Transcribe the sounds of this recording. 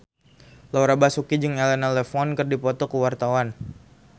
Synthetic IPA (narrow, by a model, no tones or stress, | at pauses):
lawɾabasukid͡ʒɨŋɛlɛnalɛfɔnkɨrdipɔt̪ɔkəwart̪awan